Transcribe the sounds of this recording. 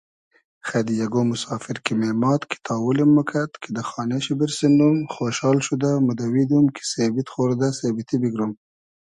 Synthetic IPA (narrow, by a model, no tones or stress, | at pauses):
xad̪ijaɡomʊsɑːfɪɾkimemɑt̪kʰi̥t̪ʰɑːwulimːʊkʰat̪kʰed̪əxɑːneʃibiɾsinumxoʃɑlʃud̪amʊd̪awid̪umkʰi̥sebɪt̪xoɾd̪asebɪt̪ibiɡɾum